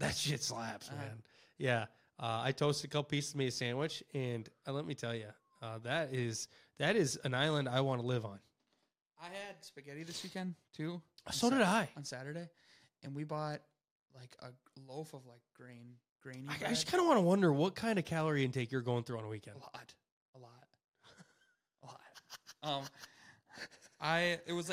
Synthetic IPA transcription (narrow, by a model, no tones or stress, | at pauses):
ðætsɪtslæpsmæ̃n | jæ | ʌa̰ɪtʰoʊstɨkʰʌp̚pismiɨsæ̃nwɪt͡ʃɨ̃nlɛt̚mitʰɛlˠjʉ | ʌðɨɾɪz̥ | ðɨɾɪzɨ̃naɪlˠə̃ndaɪwɑ̃nəlɪvn̩ | aɪɨd̚spɨɡɛɾiðɪswikɛ̃ntʰʉsoʊɾɨɾaɪ̃n̩sæɾə˞ɾeɪ | ʔɨ̃nwibɔt̚ | laɪkʰə̰ | loʊfʌvlaɪk̚ɡ̥ɹẽɪ̃n | ɡ̥ɹẽɪ̃naɪaɪd͡ʒʌskʰãɪ̃ndəwɑ̃nəwʌ̃ndə˞wʌt̚kʰãɪ̃ndʌv̥kʰælˠə˞iɨ̃ntʰeɪkjə˞ɡoʊɪ̃ŋθɹʉə̃nəwikɛ̃ndlɔt̚ | əlɔt̚ | ʔəlɔt̚ʔʌ̃m | ʔaɪɪt̚wʌz